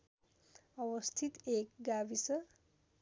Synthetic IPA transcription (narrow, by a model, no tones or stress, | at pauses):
ʌwʌst̪ʰit̪ekɡabisʌ